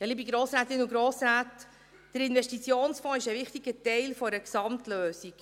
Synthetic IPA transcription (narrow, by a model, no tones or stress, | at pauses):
jɑliːbiɡɾoːsɾaːt̪ɪnəuɡɾoːsɾaːt | d̥əɾɪnvɛʃtit͡sjoːnsfɔ̃ːɪʃəʋɪχtiɡ̥ətɛɪlfɔəksɑmtløːsiɡ̥